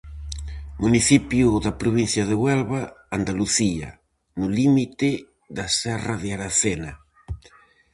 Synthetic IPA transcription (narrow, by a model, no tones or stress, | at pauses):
muniθipjuðapɾoβin̟θjaðeɣwɛlβaand̪aluθia̰ | nʊlimit̪e | ðasɛraðeaɾaθena